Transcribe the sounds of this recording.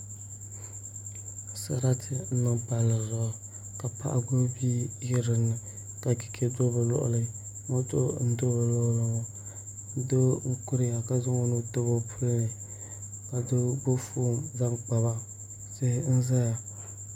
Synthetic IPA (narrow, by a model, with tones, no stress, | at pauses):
sa˦ɾa˦tʰɪ˦n̩˦nɨ˦ŋpa˨lːɨ˨zʊ˨ʔʊ˨ | ka˨pa̰˦ʔa̰˨ɡo˦bi˦jɪ˦ɾɨ˨nːɨ˨ | ka˨ki̥˨kʰe˦do˦bɨ˨lɔ̰˦ʔʊ̰˨lɨ˦ | mo˦to˦n̩˦do˦ba˨lɔ˦ʔlɨ˨˦ŋo˦ | do˦u˦kʊ˦ɾɪ˦ja˨ka˨zʊ˦ŋo˦no˦to˦bo˦pʰu˦lnɨ˨ | ka˨do˦bo˦fo˦˨mza˦ŋk͡pa˨ba˦ | sɪ˦n̩˦za˦ja˨